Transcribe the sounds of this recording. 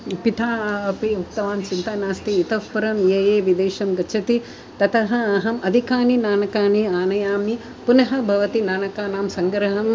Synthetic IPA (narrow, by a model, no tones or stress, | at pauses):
pit̪ʰaːɐpiuk̚t̪ɐʋaːnt͡ʃint̪anaːst̪iːt̪ɐʋpɐɾɐmjeːjeːʋid̪eːʃɐmɡɐt͡ʃʰɐt̪i | t̪ɐt̪ʰɐɦɐːɦɐmɐd̪ʱikaːninaːnɐkaːniaːnɐjaːmi | punɐɦɐ̆bʱɐʋɐt̪inaːnɐkaːnaːmsɐŋɡɾɐɦɐm